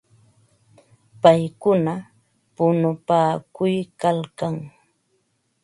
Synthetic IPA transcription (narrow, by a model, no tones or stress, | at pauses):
pajkʊna | pʊnʊpaːkʊjkalkaŋ